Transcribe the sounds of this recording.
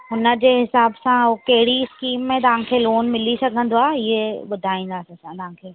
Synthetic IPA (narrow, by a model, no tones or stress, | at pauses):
ɦʊnə̆d͡ʑeːɦɪsaːbsãokɐɦɪɽiɪskiːmːẽt̪ɐʋ̤ãkʰeːloːnmɪlisɐɡʱə̃nd̪oaːɦɪɦeɓʊd̪ʱaːĩːn̆d̪aːsesãt̪ɐʋɦãːkʰeː